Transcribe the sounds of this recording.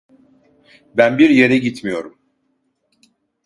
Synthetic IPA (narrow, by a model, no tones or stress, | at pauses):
bænbiɾje̞ɾɛɟit̪mijo̞ɾum